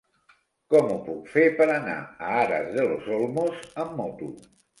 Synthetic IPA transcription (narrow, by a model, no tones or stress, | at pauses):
kɔmupukfepəɾəna̰əaɾə̰zðəlozolˠmozəmːɔt̪ṵ